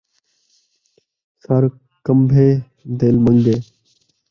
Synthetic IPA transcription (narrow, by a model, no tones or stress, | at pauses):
səɾ | kəmbʱeː | d̪eːlməŋɡeː